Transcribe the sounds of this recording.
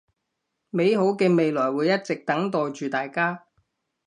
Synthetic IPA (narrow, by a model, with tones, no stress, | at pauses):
me˨˧jɦo˨˥wkɛː˧me˨jlɔː˨˩jwuː˨˧jɐ˥t̚t͡sɪ˨k̚t̪ɐ˨˥ŋt̪ɔː˨jt͡ʃyː˨t̪aː˨jkaː˥